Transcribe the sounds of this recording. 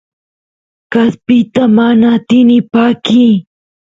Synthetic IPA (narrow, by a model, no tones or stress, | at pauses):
kaspɪt̪amanat̪ɪnɪpaːkɪ